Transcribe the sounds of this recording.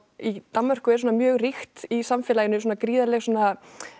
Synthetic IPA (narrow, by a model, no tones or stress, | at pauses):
it̪ammːar̥kʏɛɾ̥sɔːnamjœːɣrixt̪isamfɛːlajɪnʏs̬oːnakɾiːðalɛxsɔːna